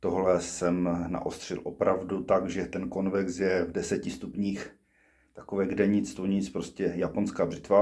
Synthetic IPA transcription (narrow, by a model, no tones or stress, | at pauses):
t̪oɦlɛsɛmna̰ʔost̪r̝̥ɪlʔopɾavdut̪aɡʒɛt̪ɛnkonvɛksjɛvdɛsɛcɪst̪upɲiːx | t̪akovɛːɡdɛɲɪt͡st̪oɲɪt͡spɾoscɛjaponskaːbrɪt̪va